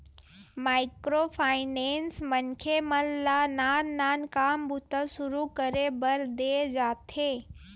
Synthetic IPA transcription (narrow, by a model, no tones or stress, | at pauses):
maːɪkɾopʰaːɪnensmənkʰeməllanaːnːaːnkaːmbʱut̪əsʊɾukəɾebəɾd̪ed͡ʒaːt̪ʰe